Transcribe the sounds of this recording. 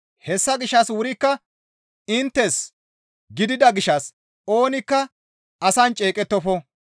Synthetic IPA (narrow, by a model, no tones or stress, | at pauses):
hɛsːɐɡɪʃːɐswʊɾɪkːɐ | ɪnt̪ːɛs | ɡɪd̪ɪd̪ɐɡɪʃɐs | o̞ːnɪkːɐ | ɐsɐnt͡ʃʼe̞ːkʼɛt̪ːɔfɔ